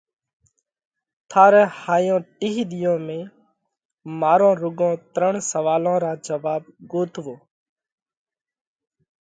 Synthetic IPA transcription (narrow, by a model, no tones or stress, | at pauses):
t̪ʰaːɾɛ̃ːhaːjõːʈiːɦid̪ɪjõːmẽː | maːɾõːɾʊɡõːt̪ɾəɳsəʋaːlõːɾãːd͡ʒəʋaːb̚ɡoːt̪ʋoː